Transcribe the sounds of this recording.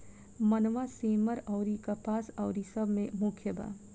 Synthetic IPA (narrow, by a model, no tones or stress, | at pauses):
mɐnʋasiːməɾɔːɾikapaːsɐːɾisɐbʱmẽmʊkʰjəbʱa̰ː